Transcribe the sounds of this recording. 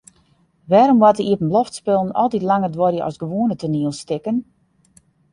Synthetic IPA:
ʋɛːɾɔmwɔtəʔiəpənblɔftspɪlˠənɔ̰lˠtitlaŋərdʋɔrjəʔɔ̰sɡəʋoənətʰəniəlˠstɪkən

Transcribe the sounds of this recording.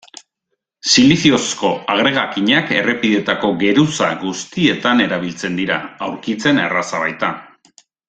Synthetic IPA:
siliθio̞sko̞aɣ̞ɾe̞ɣ̞akiɲake̞̰re̞piðe̞t̪ako̞ɡe̞ɾusa̰ɣust̪ie̞t̪ane̞ɾaβ̞ilt͡se̞nd̪iɾa̰awɾkit͡se̞nḛrasaβajt̪a

